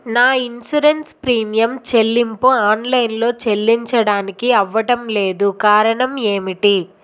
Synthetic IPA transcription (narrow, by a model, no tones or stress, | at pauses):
naːinsuɾenspɾiːmijɐmt͡ʃe̞lːimpuaːnlɐjnlo̞ːt͡ʃe̞lːiɲt͡ʃɐɽaːnikiɐʋːɐʈɐmle̞ːd̪ukaːɾɐɳɐme̞ːmiʈi